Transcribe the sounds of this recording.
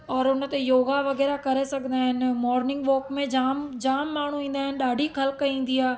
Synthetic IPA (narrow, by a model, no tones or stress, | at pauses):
ɔːɾʊnt̪ejoːɡaʋɐɣɛːɾakɐɾesɐkʰnd̪aːɦɪnmɔːɾnɪ̃ŋɡʋoːkmẽd͡ʒaːmd͡ʒaːmːaːɳ̤ũĩːnd̪aːɦɪnɗaːɖʱixʰɐlkĩːn̆d̪iaː